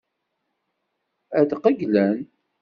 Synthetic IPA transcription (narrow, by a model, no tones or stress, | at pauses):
æd̪qəɡlæn